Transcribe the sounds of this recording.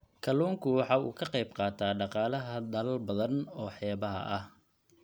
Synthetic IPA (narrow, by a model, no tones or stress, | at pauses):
kʰɐlɔːŋkʰʊwɑħɑːṵːkʰɐqɑjbqɑːt̪ʰaːɖɑqɑːlɐɦɐd̪ɐlɐlbɐðɐnɔːħɛːβɐɦɐ̰ʔɐh